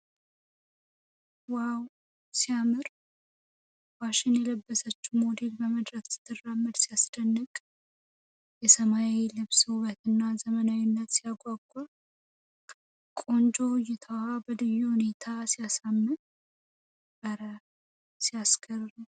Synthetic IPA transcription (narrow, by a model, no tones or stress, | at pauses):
waw | sijamɨɾ | waʃɪnjɛləbːəsət͡ʃːumod̪e̞lbəməd̪ɾəksɨ̥t̪ʰːɨrːamːɨd̪sijasd̪ənːɨkʼ | jɛsəmajelɨβsɨhuβət̪ʰɨnːazəmənawinːət̪sijaɡʷʼaɡʷʼa | kʼo̞nd͡ʒo̞jɛt̪ʰəwabəd̪ɨjːuhune̞t̪ʰasijasamːɨn | bəɾə | sijaskʰərɾu